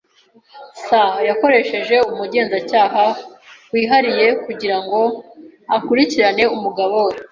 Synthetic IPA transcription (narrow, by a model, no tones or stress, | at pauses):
sajako̞ɾe̞ʃe̞ʒe̞umuɟe̞ːnzacaːɦawiːɦaɾije̞kuɟiɾaŋɡo̞akuɾiciɾane̞umuɡaβoɾe